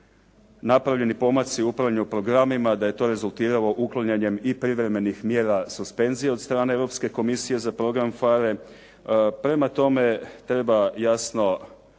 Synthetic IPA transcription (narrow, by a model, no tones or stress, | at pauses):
napɾaʋʎe̞nipo̞mat̪siupɾaɲuupɾo̞ɡɾamimad̪aje̞t̪o̞ɾe̞zulˠt̪iːɾalo̞ʔuklˠoɲeɲe̞mipɾiʋɾe̞me̞nixmje̞ːɾasuspe̞nzijeo̞t̪st̪ɾaːne̞evɾo̞pske̞ko̞misije̞zapɾo̞ɡɾamfaɾe̞ | pɾe̞mat̪o̞me̞t̪ɾe̞bajasno̞